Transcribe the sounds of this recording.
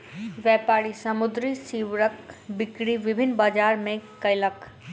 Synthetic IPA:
ʋɛːpaːɽisɐmʊd̪ɾisiːʋɾəkbɪkɽiʋɪbʱɪnːbaːd͡ʒaːɾmẽkɐɪlɐk

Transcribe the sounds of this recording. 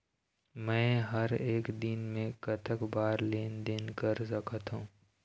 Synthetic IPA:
mɛ̃ːɦɐɾeːkd̪ɪnmẽkɐt̪ʰəkbaːɾleːnd̪ɪnkəɾsɐkət̪ɦũː

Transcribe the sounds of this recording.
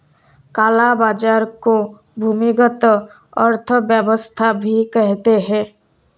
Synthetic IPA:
kaːlabaːd͡ʒaːɾko | bʱuːmiɡət̪ | əɾt̪ʰəbjəbəst̪ʰabʱikɛɦt̪eɦɛ̃ː

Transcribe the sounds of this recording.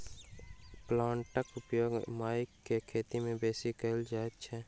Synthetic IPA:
plãːɳʈəkʊpjoːɡmaːɪkːekʰeːt̪imẽbeːsikəɪld͡ʒaːet̪t͡ʃʰɛː

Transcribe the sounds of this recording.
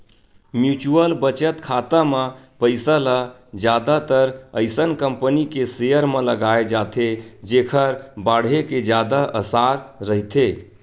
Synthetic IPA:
mjut͡ʃuəlbət͡ʃət̪kʰat̪əme | pəɪsələ | d͡ʒjad̪at̪əɾəɪsənkəmpənikesejəɾmeləɡaed͡ʒat̪ʰed͡ʒekʰəɾbaɽ̤eked͡ʒjad̪aʔəsaɾːəɦit̪ʰe

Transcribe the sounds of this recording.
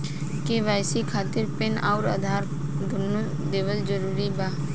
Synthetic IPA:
keʋaːjsikʰaːt̪ɪɾpenaːʊɾə̰d̪ʱaːɾ | d̪ʱʊnu | d̪eːʋəld͡ʒəɾuːɾibaː

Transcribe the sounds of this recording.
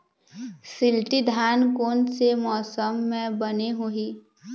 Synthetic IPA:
sɪlʈid̪ʱaːnkoːnsemɔːsəmːẽbəneɦuɦiː

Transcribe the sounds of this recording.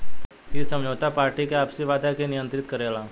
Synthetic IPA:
ɪsə̃md͡ʒoːt̪apaːɾʈikeaːbsiʋaːd̪akenɪjə̃nt̪ɾɪt̪kɐɾeːlaː

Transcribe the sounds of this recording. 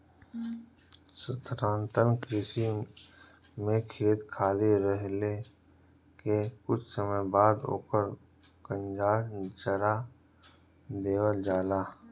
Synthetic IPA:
sət̪ɾãːnt̪ənkɾɪsi | mẽkʰeːt̪kʰaːliɾəɦle | kekʊt͡ʃʰsəməjbaːd̪o̰ːkəɾ | kə̃nd͡ʒaːt͡ʃəɾa | d̪eːwəld͡ʒaːlaː

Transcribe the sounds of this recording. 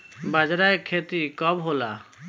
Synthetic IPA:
bad͡ʒɾaekʰːet̪ikɔbɦola̰

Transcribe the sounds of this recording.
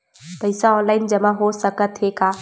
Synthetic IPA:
pəɪsaɔ̃nlaɪnd͡ʒəmaɦosəkət̪ɦeka

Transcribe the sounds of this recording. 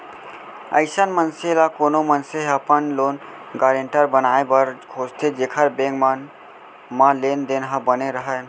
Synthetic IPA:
ə̰ɪsənmənselakoːnomənseɦəpənloːn | ɡaːɾẽɳʈəɾbənaːebəɾɡʰʱoːd͡ʒt̪ʰed͡ʒeːkʰəɾbẽːŋɡm | mãleːnd̪eːnɦə̃bəneɾəɦə

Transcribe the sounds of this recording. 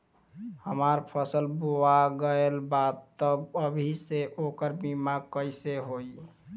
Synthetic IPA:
həmaɾpʰəsəlbuaɡəelbat̪ːəbəbʱiseʔokəɾbimakəjseɦoi

